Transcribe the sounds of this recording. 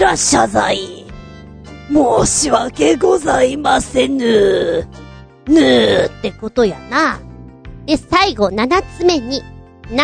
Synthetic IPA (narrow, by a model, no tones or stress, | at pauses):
ɾaɕazai | moːɕiβake̞ɡo̞zaimasenɯ | nɯt̪ːe̞ko̞t̪o̞ja̰na | d̪̥e̞saiɡo̞nanat͡sɨme̞ɲ̟i | n